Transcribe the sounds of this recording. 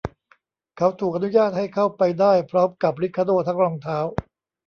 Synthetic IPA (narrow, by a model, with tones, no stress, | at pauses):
kʰa˦˥wt̪ʰuː˨˩k̚ʔa˧nu˦˥jaː˥˩t̪̚ha˥˩jkʰa˦˥˩wpa˧jdaː˥˩jpʰɾɔː˦˥mka˨˩p̚ɾi˦˥kʰːa˧doː˧˩t̪ʰaː˦˥ŋɾɔː˧ŋt̪ʰaː˦˥w